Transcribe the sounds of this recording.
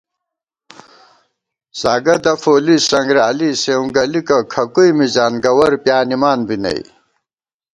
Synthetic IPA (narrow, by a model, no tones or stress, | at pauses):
saːɡɐd̪ɐfoːlisɐŋɡɾaːliseːũɡɐlikɐkʰɐkujmizaːnɡɐwɐɾpjaːnimaːnbinɐ̰j̰